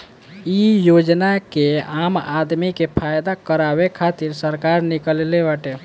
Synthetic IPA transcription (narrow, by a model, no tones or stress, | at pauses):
ijod͡ʒnakeamad̪mikepʰajd̪akəɾabekʰat̪iɾsəɾkaɾnikəllebaʈe